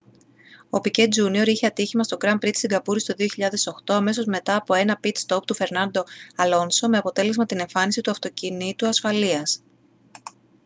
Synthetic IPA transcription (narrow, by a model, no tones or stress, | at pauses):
o̞pice̞t̪̚d͡zunio̞ɾiçeɐt̪içimɐst̪o̞ɡɾɐmpɾit̪st̪iɡɐpuɾist̪o̞ðioçiʎɐðe̞so̞xt̪o̞ɐme̞so̞zme̞t̪ɐːpo̞e̞nɐpit̪st̪o̞p̚t̪ufe̞ɾnɐnd̪o̞ɐlo̞nso̞me̞ɐpo̞t̪e̞le̞zmɐt̪ine̞ɱfɐnisit̪uɐft̪o̞cinit̪uɐsfɐliɐs